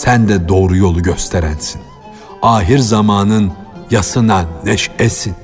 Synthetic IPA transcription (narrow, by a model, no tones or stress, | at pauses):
sænd̪ɛd̪o̞ːɾujo̞lˠuɟøst̪ʰeɾænsin | aːɦiɾzamaːnɯnjasɯnanɛʃɛsin